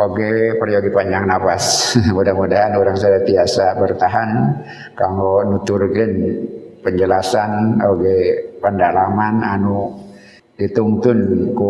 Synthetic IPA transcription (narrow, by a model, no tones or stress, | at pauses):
oɡɛpərioɡipaɲd͡ʒaŋnapasmudahmudaɦanuɾaŋsadat̪iasabərt̪aɦan | kaŋɔnut̪urɡɪnpəɲd͡ʒəlasanoɡɛpəndalamana̰nu | dit̪uŋt̪ʊnku